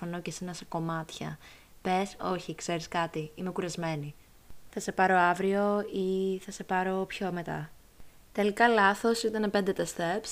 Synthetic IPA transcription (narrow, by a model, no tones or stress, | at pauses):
ono̞cesenɐseko̞mɐt̪çɐ̰ | pe̞so̞̰çikse̞ɾiskɐt̪iimekuɾɐzme̞ni | θɐse̞pɐɾo̞ɐvɾio̞iθɐse̞pɐɾo̞pço̞me̞t̪ɐ̰ | t̪e̞likɐlɐθo̞sit̪ɐnepend̪e̞t̪est̪eps